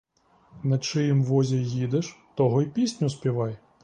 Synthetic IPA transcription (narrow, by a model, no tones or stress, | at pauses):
nɐt͡ʃɪjɪmʋɔzʲɐjid̪eʃt̪ɔɦɔipʲisʲnʲʊspʲiʋɑj